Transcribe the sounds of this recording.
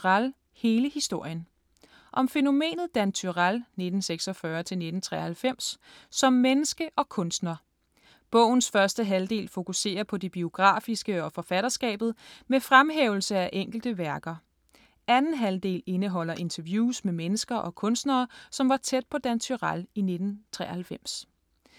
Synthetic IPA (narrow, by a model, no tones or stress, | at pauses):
ʁal | he̝ːləhisd̥o̝ɐ̰jən | ʔɒ̽mfe̝no̝me̝̰ːnð̩ˠd̥ænt͡sʰyʁalne̝d̥n̩seɡ̥sɒfɶːɐt͡sʰe̝lne̝d̥n̩t͡sʰʁɛ̰ːhælfem̰sːɒ̽mːenəsɡ̥əʔɒ̽kʰɔ̽nsd̥nɐ | b̥ɔ̽ʊ̰n̩sfɶɐsd̥əɦæld̥e̝̰ːlfo̝kʰuse̝̰ːɐpʰɒ̽deb̥io̝ɡ̥ʁɑ̰̈ːfisɡ̥əɒ̽fɒ̽fæɾ̥ɐsɡ̥ɛ̰ːb̥ð̞̩ˠmefʁamɦeːʊl̩səæʔeŋ̰ɡ̥l̩d̥əʋæɐɡ̥ɐ | ʔænn̩ɦæld̥e̝̰ːle̝nəɦɒ̽l̰ɐʔe̝nt͡sʰɐʋjuːsmemenəsɡ̥ɐʔɒ̽kʰɔ̽nsd̥nɐːsɒ̽mʋɑ̈t͡sʰed̥̚pʰɒ̽d̥ænt͡sʰyʁaline̝d̥n̩t͡sʰʁɛ̰ːɐhælfem̰s